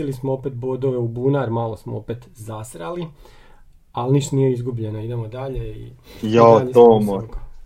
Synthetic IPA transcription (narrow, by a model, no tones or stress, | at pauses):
ilismoopet̪̚bod̪oʋe̞ubuːnaɾmaːlo̞smoopet̪zasɾali | alniʃt̪onijeizɡubʎe̞noid̪e̞mod̪aʎe̞ḭjat̪omok